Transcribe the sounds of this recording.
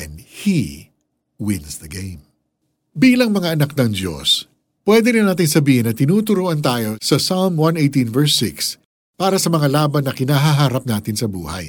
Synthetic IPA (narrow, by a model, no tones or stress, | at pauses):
ɛnhi | wɪ̃nsd̪ɐɡejm | biːlɐŋmɐŋaʔɐnak̚nɐŋd̪jo̞̰s | pwɛd̪ɛɾɪnaːt̪ɪŋsɐbiːhɪnːɐt̪ɪnuːt̪ʊɾuːʔɐnt̪aːjo̞sɐsalmwɐnʔejt̪ĩnvɛɹsɪks | paːɾɐsɐmɐŋalaːbɐnːɐkɪnaɦaɦaːɾɐp̚naːt̪ɪnsɐbṵːhɐ̰j